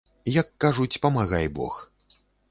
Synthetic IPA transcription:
jɐkːaʐut͡sʲpɐmaɣajbɔ̰x

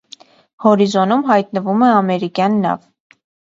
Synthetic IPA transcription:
hɔɾizɔnumɦɑjt̪nəvumɛɑmɛɾikjɑnːɑ̰v

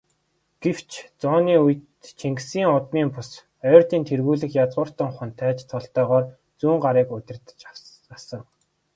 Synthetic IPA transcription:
ɡ̥ew̥t͡ɕʰt͡sɔːniːujt̪t͡ɕʰeŋksiːŋʊt̪miːmpʊs | œːrt̪iːnt̪ʰerɣuːɮɘ̆xjat͡sʁʊːr̥t̪ə̆ŋχʊ̆nt̪ʰæːt͡ɕt̪ʰːɔɮt̪œːʁɔːr | t͡suːŋɢaɾiːkʊt̪ʲɪ̆rt̪ə̥̆t͡ɕ | asə̆ŋ

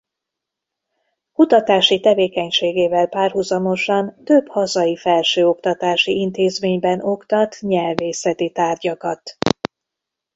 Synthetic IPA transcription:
kut̪ɒt̪aːʃit̪ɛveːkɛɲʃeːɡeːvɛlpaːrhuzɒmo̞ʃɒnt̪øbhɒzɒjifɛlʃøːo̞kt̪ɒt̪aːʃiint̪eːzmeːɲbɛno̞kt̪ɒt̪ɲɛlveːsɛt̪it̪aːrɟɒkɒt̪

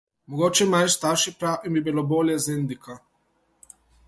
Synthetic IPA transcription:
mɔɡoːt͡ʃɛmajst̪aɾʃipɾawʔimbibiloboːljɛzend̪ikʰa

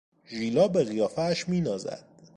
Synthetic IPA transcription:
ʒiːlɒːbeɣijɒːfæʃmiːnɒːzæ̰d̪̥

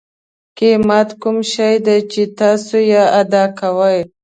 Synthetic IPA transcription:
kemat̪kumʃajd̪at͡ʃet̪ɑsojaad̪ɑkawəj

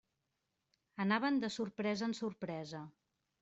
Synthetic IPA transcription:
ənaβənd̪əsuɾpɾɛzəːnsuɾpɾɛzə

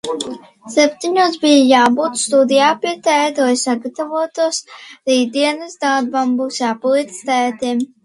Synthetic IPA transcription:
sɛp̚ʲt̪iɲuɔsbijajaːbuːt̪st̪ud̪ijaːpiɛt̪ɛd̪uːjsaɡat̪avuɔt̪uɔsɾiːd̪iɛnəsd̪aːd̪bambuːsjaːpɔlˠit̪t̪æːt̪im

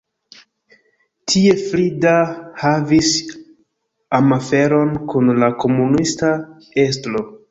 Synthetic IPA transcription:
tʰie̞flidahavis | amafe̞ɾo̞nkunlako̞munista | e̞stlo̞

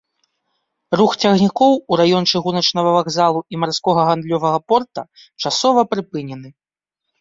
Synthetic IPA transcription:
ruxt͡sʲaɣnʲikɔwuɾajɔnt͡ʂɨɣunɐt͡ʂnɐvɐvaɣzalˠuimarskɔɣɐɣand̪lʲɔvɐɣɐpɔrt̪ɐ | t͡ʂasɔvɐpɾɨpɨnʲɛnɨ

